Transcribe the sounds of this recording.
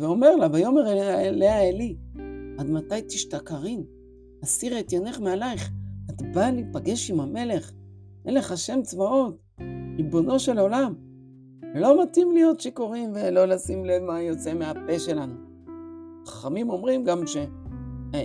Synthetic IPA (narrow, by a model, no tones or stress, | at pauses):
veo̞meʁlabajo̞me̞ʁeeleaeliad̪matajt̪iʃtakaʁin | asiʁet̪jone̞χmealajχat̪balipaɡe̞ʃimame̞le̞χ | ʔenleχaʃe̞mt͡svao̞t | ʁibo̞no̞ʃe̞lo̞lam | lo̞matimlijo̞tʃeko̞ʁimvelo̞lasimlevmajo̞t͡se̞meape̞ʃe̞lanu | aχḁχamimo̞mʁimɡamʃe̞